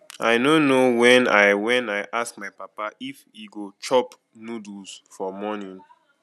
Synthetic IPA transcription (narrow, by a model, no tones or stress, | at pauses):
aɪnonowɛ̃na̰jwɛ̃naɪʔask̚majpapaʔifiɡot͡ʃɔp | nudusfɔmɔnĩn